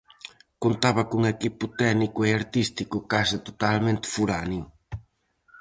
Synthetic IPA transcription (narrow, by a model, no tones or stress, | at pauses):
kont̪aβɐkuŋekipʊt̪ɛnikʊeaɾt̪ist̪ikʊkasɪt̪ot̪almẽnt̪ɪ̥fuɾanjʊ